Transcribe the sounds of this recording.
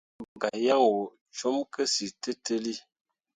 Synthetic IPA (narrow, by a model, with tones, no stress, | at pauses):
bɡa˨ja˦ŋo˨ | t͡ʃo˦mkə˦si˨tə˦tə˦li˦